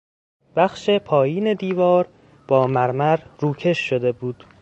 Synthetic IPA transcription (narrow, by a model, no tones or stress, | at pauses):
b̥æxʃe̞pʰɒːjiːne̞d̪iːvɒːɾ | b̥ɒːmæɾmæɾɾuːcʰe̞ʃːod̪e̞buːd̪̥